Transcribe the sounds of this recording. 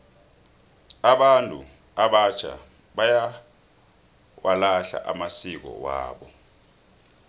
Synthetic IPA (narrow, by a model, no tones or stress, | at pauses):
aɓantʼṵ | aɓat͡ʃʰa̰ | ɓaja | wʔalaɬa̰ʔamasik̬ɔ̰wa̰ːɓɔ